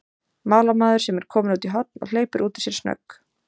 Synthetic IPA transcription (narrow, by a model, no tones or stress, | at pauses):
maːlamaːðʏɾ̥sɛmɛɾ̥kʰɔːmɪnuːt̪iɦɔt̪̚nɔ̰ɣl̥eːjpʏɾʔuːt̪ɪ̥sjɛɾ̥snœ̰kː